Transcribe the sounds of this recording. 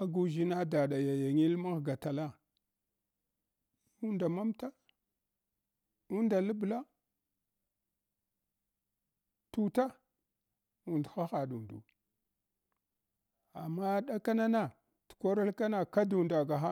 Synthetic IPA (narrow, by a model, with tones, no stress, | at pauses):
a˦ɡu˨ʒi˦na˦da˨ɗa˨ja˨ja˨ŋi˦lma˦ɣɡa˨ta˨la˦ | u˦nda˨ma˦mta˦ | u˦nda˨lə˦bla˦ | tu˨ta˦ | u˦˨ndxa˦xa˨dṵ˨ndṵ˨ | a̰˨mːa˦ɗa˦ka˦na˦na˨ | tu̥˨ko˦ɾa˦lka˦na˦ka˦du˨nda˨ɡa˨xa˦